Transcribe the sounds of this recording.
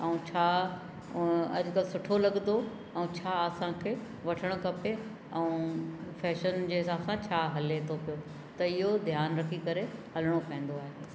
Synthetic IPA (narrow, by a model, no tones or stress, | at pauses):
ɛũt͡ɕʰaː | ɐ̰ʄʊkəlsʊʈʰolɐɠnd̪o | ɛ̃ũt͡ɕʰaːɐsãkʰeː | ʋɐʈʰəɽ̃kɐpe | ɛ̃ũfɛːʃənd͡ʑeːɦɪsaːbsãt͡ɕʰaːɦɐlet̪ʰopijo | t̪ɐɪɦod̪ʱjaːnɾɐkʰikɐɾehɐləɽ̃opɐ̃ɦɪ̃n̆d̪oaːɦe